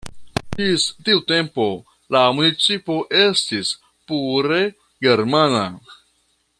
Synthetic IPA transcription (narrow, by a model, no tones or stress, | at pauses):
d͡ʒistiute̞mpo̞ | lamunit͡sipo̞ʔe̞stis | puɾe̞ | ɡe̞ɾmana